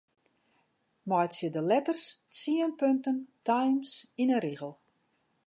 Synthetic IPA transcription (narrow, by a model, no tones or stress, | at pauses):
mɔjtsjədəlɛtərst͡siənpøntəntajmsinəɾiɣəlˠ